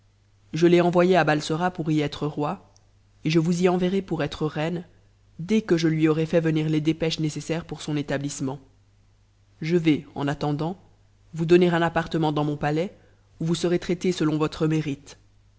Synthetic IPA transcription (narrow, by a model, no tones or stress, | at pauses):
ʒəleɑ̃vwajeabalsɔʁapuʁiɛt̪χəʁwa | eʒəvuziɑ̃veʁepuʁɛt̪χəʁɛn | d̪ɛkəʒəlɥiɔʁɛfɛvəniʁled̪epɛʃnesesɛʁpuʁsɔ̃net̪ablismɑ̃ | ʒəvɛɑ̰̃nat̪ɑ̃d̪ɑ̃ | vud̪ɔneʁɛ̃napaʁt̪əmɑ̃d̪ɑ̃mɔ̃palɛ | uvusəʁet̪χɛt̪esəlɔ̃vɔt̪χəmeʁit̪